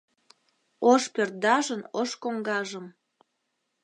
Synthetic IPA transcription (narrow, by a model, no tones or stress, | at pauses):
oʃpørt̪̚d̪ɑʒənoʃkoŋɡɑʒəm